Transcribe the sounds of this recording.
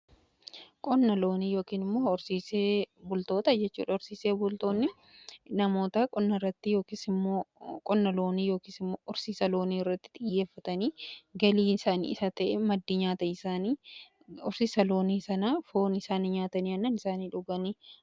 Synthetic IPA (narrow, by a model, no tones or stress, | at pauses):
kʼɔnːɐlo̞ːniːjo̞ːkiːnɪmːoːʊɾsiːseːbʊlt̪o̞ːt̪ɐd͡ʒɛt͡ʃːṵːᶑɐʊɾsiːseːbʊlt̪oːnːɪ | nɐmo̞ːt̪akʼɔnːɐrːɐt̪ːɪjo̞ːkiːsɪmːoːkʼɔnːɐlo̞ːniːjo̞ːkiːsɪmːoːʔʊɾsiːsɐlo̞ːniːɪrːɐt̪ːɪ̥ᶑ̪ɪjjːe̞ːfːɐt̪ɐniːɡɐliːɪsaːnḭːɪsɐt̪ɐʔɛmɐd̪ːiɲaːt̪ɐɪsaːniː | ʊɾsiːsɐlo̞ːniːsɐnaːfo̞ːnɪsaːnɪɲaːt̪ɐniːɐnːɐnɪsaːniːᶑʊɡɐniː